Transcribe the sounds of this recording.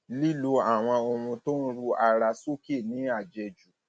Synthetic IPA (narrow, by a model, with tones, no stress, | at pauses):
li˦lo˧a˨w̃ɔ̃˧o˧mũ˧to˦n̩˦ɾu˦a˧ɾa˧so˦ke˦˨nĩ˨˦a˦˨d͡ʒɛ˧˨d͡ʒu˨